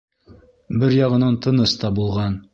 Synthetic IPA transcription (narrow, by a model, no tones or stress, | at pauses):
bɘɾjɑʁɤ̆nɑnt̪ɤ̆nɤst̪ɑbulˠʁɑn